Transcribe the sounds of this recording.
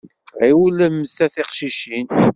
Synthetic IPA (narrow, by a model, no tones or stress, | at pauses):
ʁiwləmθæθiqʃiʃin